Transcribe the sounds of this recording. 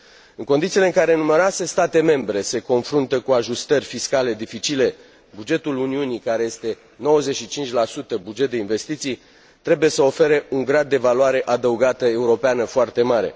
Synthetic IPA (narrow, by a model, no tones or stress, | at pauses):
ɨŋkond̪itsileɨŋkaɾe̞numeɾase̞st̪at̪e̞me̞mbɾe̞se̞ko̞nfɾunt̪əkuaʒust̪ərʲfiskale̞d̪ifit͡ʃile̞ | bud͡ʒe̞t̪uluniunikaɾe̞je̞st̪e̞ | no̞wəze̞ʃit͡ʃint͡ʃʲlasut̪əbud͡ʒet̪̚d̪e̞inve̞st̪it̪sij | t̪ɾe̞buje̞səo̞fe̞ɾeuŋɡɾad̪ːe̞valuaɾe̞ʔad̪əuɡat̪əe̞uɾo̞peanəfoart̪e̞maɾe̞̰